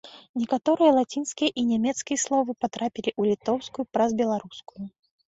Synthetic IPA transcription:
nʲɛkat̪ɔɾɨjɐlˠat͡sʲinskʲijɐʔinʲɛmʲɛt̪skʲijɐslˠɔvɨpat̪ɾapʲilʲiʔulʲit̪ɔwskujupɾɐzbʲɛlˠaɾuskuju

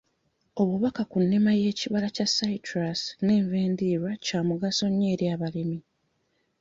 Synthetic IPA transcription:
o̞βuβakakunːemaje̞ːciβalacasaitɾasne̞ːɱve̞ːndiːɾwacaːmuɡaso̞ɲːe̞ːɾjaːβalimi

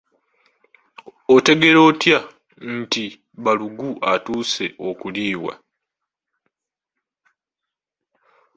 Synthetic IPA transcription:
ote̞ɡe̞ɾo̞ːtja | n̩ti | βaluɡuʔatuːse̞ʔo̞kuliːwa̰

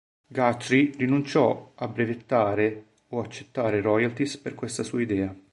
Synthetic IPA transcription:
ɡat̪ːɾirinunt͡ʃɔabːɾevet̪ːaːɾe | oat͡ʃːe̥t̪ːaːɾeɾɔjalt̪isperkwest̪asuːaid̪ɛːa

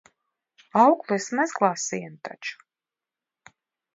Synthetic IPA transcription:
awklˠɛsmɛzɡlˠaːsijant̪a̰t͡ʃu̥

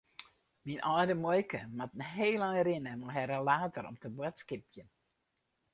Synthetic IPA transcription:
minʔɔjdəmɔjkəmatn̩ɦeːlaŋrɪnəmɔɦɛɾəlaːtəɾɔ̰mtəbwɔtskɪpjən

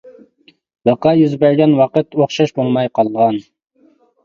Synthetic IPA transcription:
bɨqɑjyzbɛɾɡʲɛnwɑqət̪oχʃɑʃbolˠmɑjqʰɑlˠʁɑn

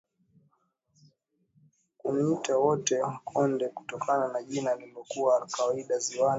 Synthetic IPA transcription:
kunitawɔtɛkʰɔndɛkutɔkʰananaʄinalilɔkuwakawaiɗaziwan

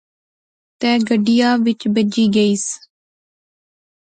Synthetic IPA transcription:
t̪ɛ̃ːɡəɖɪjaːʋɪt͡ʃbəd͡ʒiːɡəiːs

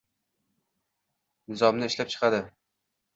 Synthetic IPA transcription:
nɪzɒmnɪɪʃlap̚t͡ʃʰɨ̥qʰɑd̪ɪ

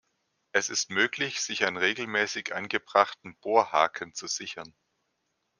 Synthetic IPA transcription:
ʔɛsɪstmøːklɪçz̥ɪçaɪnʁeːɡl̩mɛːsɪçʔa̰nɡəbʁaχtn̩b̥oːɐhaːkʰənt͡suz̥ɪçɐn

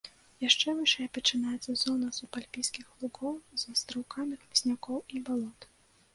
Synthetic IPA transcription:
jaʂt͡ʂɛvɨʂɛjɐpɐt͡ʂɨnajɛt̪sɐzɔnɐzupalʲpʲijskʲixlˠuɡɔwzɐst̪ɾɨwkamʲixmsʲnʲakɔwibalˠɔt̪

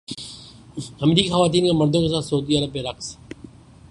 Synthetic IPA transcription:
ɐmɾiːkixəʋaːt̪̬iːnkemɐɾd̪õːkes̬aːt̪sɐuːd̪iːəɾəb̚keɾɐks

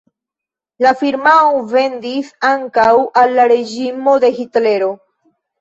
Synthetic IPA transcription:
lafiɾmaonve̞nd̪isaŋkawalːaɾe̞d͡ʒimo̞d̪e̞xitle̞ɾo̞

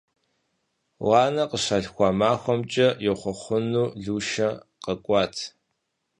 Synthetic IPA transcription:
wɑːnɐqəɕɐɮxʷɑːmaːxʷɔmt͡ʃʼɐjɛwχʷɔχʷʊnuːɮuːʃɐqəkʷʼɑːtʰ

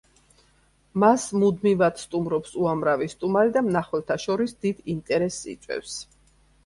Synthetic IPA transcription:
masmud̪mivad̪st̪ʼumɾɔpsuamɾavist̪ʼumaɾid̪amnaχwɛlt̪ʰaʃɔɾisd̪id̪int̪ʼɛɾɛsːḭt̪sʼwɛ̰fs

